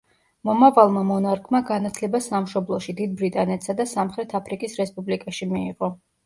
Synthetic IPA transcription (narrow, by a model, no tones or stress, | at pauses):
mɔmavalˠmamɔnaɾkʰʼmaɡanat̪ʰlɛbasamʃɔblˠɔʃid̪id̪̚bɾit̪ʼanɛt̪ʰsad̪asamχɾɛt̪ʰapʰɾikʼisɾɛspʼublikʼaʃimiiʁɔ